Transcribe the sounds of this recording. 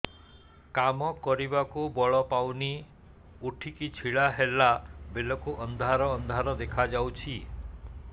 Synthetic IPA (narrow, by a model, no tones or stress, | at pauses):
kamɔkɔɾibakubɔɭɔpawni | uʈʰikit͡ʃʰiɭaɦelabelɔkuʔɔnd̪ʱaɾɔːnd̪ʱaɾɔd̪ekʰad͡ʒawt͡ʃʰi